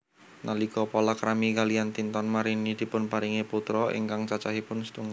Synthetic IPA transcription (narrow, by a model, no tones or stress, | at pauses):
nalikɔpɔlakɾamikaliant̪int̪ɔnmaɾinid̪̥i̤pʊnpaɾiŋeput̪ɾɔʔḭŋkaŋt͡ʃat͡ʃaɦipʊnst̪uŋa